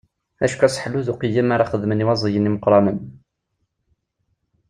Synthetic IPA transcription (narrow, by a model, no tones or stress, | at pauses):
æ̰ʃkæsħluðuqəjːəmaɾˤɑχəðməniwɑzˤəjəniməqɾˤɑmən